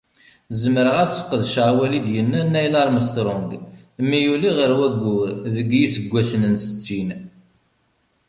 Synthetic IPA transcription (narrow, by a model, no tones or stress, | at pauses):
zəməɾəʁæsə̥qːəðʃʕwælid̪jənːænːæjlɑɾˤməst̪ɾˤʊŋɡ | mːijuliʁəɾwæɡːuɾðəɡjisəɡʷːæsənənsə̥t͡sːin